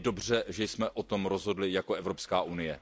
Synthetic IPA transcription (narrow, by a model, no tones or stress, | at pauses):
do̞br̝ɛʒɛjsmɛʔʔot̪o̞mɾozɦo̞dlɪjakoʔɛvɾo̞pskaːʔunɪjɛ